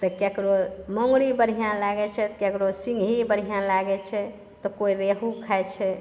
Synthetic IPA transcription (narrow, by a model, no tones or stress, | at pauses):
t̪ɔkekɾoməŋɡɾibəɾ̤ʱijãnlaɡɛt͡ʃʰɛt̪kekɾosĩŋɡɦibəɾ̤ʱijãnlaɡɛt͡ʃʰɛ | t̪ɔkoiɾeɦukʰajt͡ʃʰɛ